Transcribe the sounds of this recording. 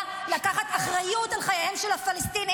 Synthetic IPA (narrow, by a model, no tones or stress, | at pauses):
lakaχat̪aχʁajutalχajajemʃelhafalest̪ini